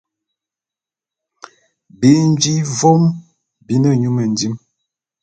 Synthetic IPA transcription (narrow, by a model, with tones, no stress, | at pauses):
bi˨˦n˦d͡ʒi˦vo˦m | bi˨˦nə˦ɲu˦mə˨ndi˦m